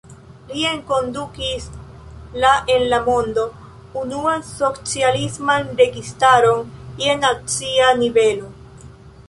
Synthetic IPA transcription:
lie̞ŋko̞ndukis | laʔe̞nlamo̞ndo̞ | unuanso̞t͡sialismanɾe̞ɡistaɾo̞nienat͡sianive̞lo̞

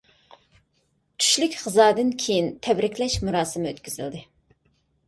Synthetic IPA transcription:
t͡ʃ̪ʰy̥ʃlykʲχəzɑːd̪ɨnkʲʰejint̪ʰɛbɾɪkʲʰlɛʃmuɾɑːsɨmɪøt̪kʲyzɪ̰ld̪ɨ

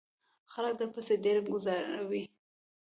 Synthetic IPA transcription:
xalək̚d̪əpəsedeɾɡʊzɑɾa̰wi

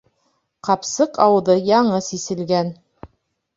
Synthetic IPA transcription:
qɑpsɤqɑwðɤjɑɴɤsisɘ̆lɡæn

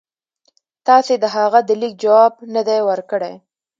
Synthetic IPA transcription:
t̪ɑsed̪əɦaɣad̪əlik̚d͡ʒawɑb̚nəd̪ajwəɾkəɽḛj

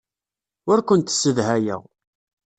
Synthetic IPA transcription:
ʊɾkʷənt̪sːəðɦæjə̰ʁ

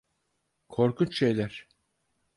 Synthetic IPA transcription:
kʰo̞ɾkʰunt͡ʃʃe̞jlʲæɾ̥

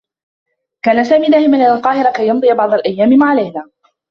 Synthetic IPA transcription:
kaːnasaːmiːnaːhɪmanlɪnalqɑːhɪɾˤakajːɑnd̪ˤɨjabɑʕd̪ˤɑlʔajːaːmɪmaʕalajnaː

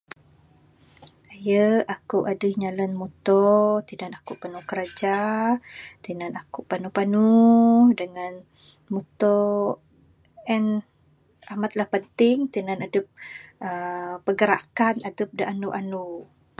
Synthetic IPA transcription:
ajəakuʔadəhɲalənmut̪ɔt̪inanakuʔpanuhkəɾad͡ʒa | t̪inanakuʔpanupanudəŋan | mut̪ɔ | ɛn | amat̪̚lahpənt̪ɪŋt̪inanadəp̚əpəɡəɾa̰ʔkanadəp̚dəʔanuʔanu

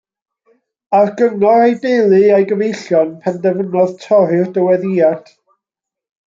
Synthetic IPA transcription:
arɡəŋɔɾejdelˠɨajɡəvejɬjɔnpʰandɛvənɔðtʰɔɾɨrdəwɛðijad̥

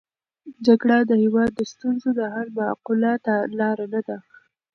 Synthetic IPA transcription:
d͡ʒaɡɽad̪əhɪwɑd̪ːəst̪unzod̪əɦalma̰qulat̪alɑɾanad̪a

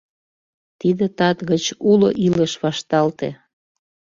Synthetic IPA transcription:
t̪id̪et̪ɑt̪ɣət͡ɕuloʔiləʃβɑʃt̪ɑlt̪ḛ

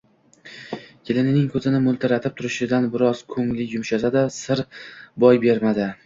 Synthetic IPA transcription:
kʲʰɪlɪnɪnɪŋkʰɵzɪnɪmʊlˠt̪ʰɪɾat̪ʰɪp̚t̪ʰʊɾɪʃɪd̪anbɪɾɒz̥kʰɵŋlɪjʊmʃazad̪asɪɾbɒjbe̞ɾmad̪ɪ

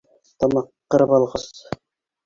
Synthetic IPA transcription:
t̪ɑmɑqːɤ̆ɾɤpɑlˠʁɑs

